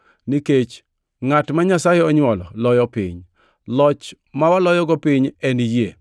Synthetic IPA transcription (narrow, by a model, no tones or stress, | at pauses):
niket͡ʃ | ŋatmaɲasajeɔɲwɔlɔ̰lɔjɔpɪ̰ɲ | lɔt͡ʃ | mawalɔjɔɡɔpɪɲɛnije